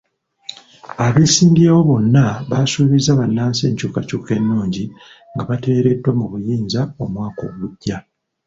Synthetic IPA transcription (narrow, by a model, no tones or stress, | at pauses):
aβesiːndiawo̞βo̞nːaβasuːβizaβanːaːnseːɲcuːkacuːke̞nːuːɲɟi | ŋɡaβateɾe̞dːwamuβujiːnzao̞mwaːko̞ɡuɟːa